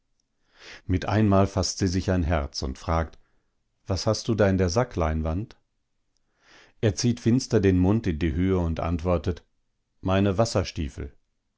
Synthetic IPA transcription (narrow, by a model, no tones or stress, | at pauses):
mɪtʔa̰ɪnmaːlfastz̥iːzɪçaɪnɦɛɐt͡sʊ̰ntfʁ̥aːkt | v̥ashast̚d̥uːdaːɪndeːɐzakʰlaɪnvant | ʔeːɐt͡siːtfɪnstɐdeːnmʊntɪndiːhøːəʊntʔa̰ntv̥ɔɐtət | maɪnəvasɐʃtḭːfl̩